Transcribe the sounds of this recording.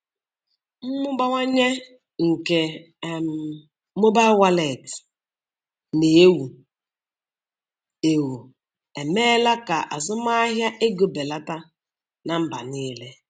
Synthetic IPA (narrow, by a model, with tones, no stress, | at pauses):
m̩˦mʊ˦ɡ͡ba˦ŋʷa˦ɲe˦ | ŋ̩˨ke˨ | m˦˨ | mo˦ba˦wa˦le˨t | ne˨˦e˦wu˨ | e˨wu˨ | e˨meː˦la˦ka˨ʔa̰˨zʊ˦ma˦a˦ɦja˦ʔe˦ɡo˨be˨la˦ta˦ | na˨m̩˦ba̰˨niː˦le˦